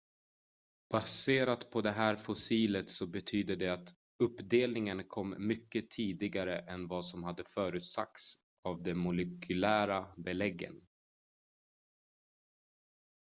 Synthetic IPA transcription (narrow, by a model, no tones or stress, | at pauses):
b̥aseːɾat̪pʰɔd̪ɛɦæːɾfʊsiːlət̪sɔbɛt̪ʰyːd̪əd̪ɛat̪ | ɵpːd̪eːlnɪŋənkʰɔmːʏkːət̪ʰiːd̪ɪɡaɾəʔɛnvɑsɔmɦad̪ːəfœːɾʉ̟ːt̪sa̰k̚t̪s | avd̪ɛmʊlɛkʰɵlæːɾabɛlɛɡːə̰n